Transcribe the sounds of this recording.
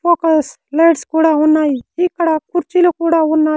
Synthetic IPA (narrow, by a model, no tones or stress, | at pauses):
poːkəs | leɽskuɽaunːaːitikəɽakuɾt͡ʃilokuɽaunːaː